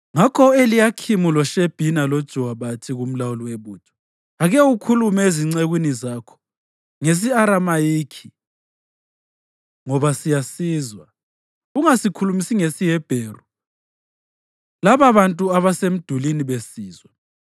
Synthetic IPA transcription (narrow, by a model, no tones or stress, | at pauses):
ŋakʰɔelijakʰimulɔʃeb̥ʱinalod̥ʒ̥ʱuwaβatʰiɣum̩lawuliweβuːtʰʼɔ̥ | aɣɛukʰulumɛeziŋ͡ǀeɣwinizaːkʰɔ̥ | ŋes̬iaɾamajiːkʰi | ŋɔβasijasiːzwa | ɣuŋasikʰulumisiŋesijɛb̥ʱeːru | laβaβantʼuaβasem̩d̥ʱuliniβesiːzwa